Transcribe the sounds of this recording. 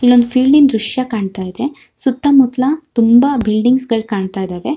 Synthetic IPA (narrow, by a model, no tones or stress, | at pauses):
ilːo̞nd̪upʰiːlɖind̪ɾuʂjɐkaːɳt̪aːjid̪e̞ | sut̪ːɐmut̪lɐt̪umbɐbilɖiŋɡsɡɐɭkaːɳt̪aːjid̪aːɾe̞